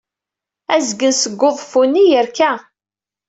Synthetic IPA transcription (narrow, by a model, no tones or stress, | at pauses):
æzɡənsəɡːoðˤfunːijəɾkæ